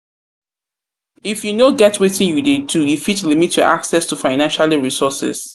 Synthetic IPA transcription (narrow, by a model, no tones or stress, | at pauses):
ifjunoɡɛtwetĩnjudedʰujufitlimitjɔ̰ʔa̰ksɛstufaɪnãnʃaliɹisɔsɪ̰s